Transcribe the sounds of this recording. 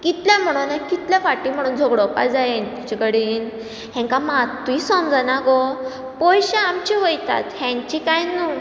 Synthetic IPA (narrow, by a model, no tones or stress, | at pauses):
kit̪ljãm̤əɽ̃unakit̪ljafaʈim̤əɽ̃uːnd͡zʱɔɡɽɔpa̰jd͡zajent̪it͡ɕikəɽiːn | ɦẽŋkamat̪uisɔmd͡zanaɡɔ | pɔjɕaamt͡ɕiʋojt̪a̰t̪hɛ̃ɲt͡ɕikajnu